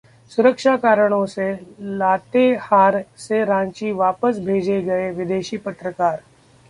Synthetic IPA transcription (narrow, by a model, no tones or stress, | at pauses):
sʊɾəkʃakaːɾəɽ̃õselaːt̪ehaːɾseɾãːɲt͡ʃiʋaːpəsbʱeːd͡ʒeɡɐeʋɪd̪eːʃiːpət̪ɾəkaːɾ